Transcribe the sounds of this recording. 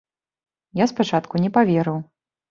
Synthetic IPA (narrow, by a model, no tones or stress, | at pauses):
jaspat͡ʂat̪kunʲɛpavʲɛɾɨw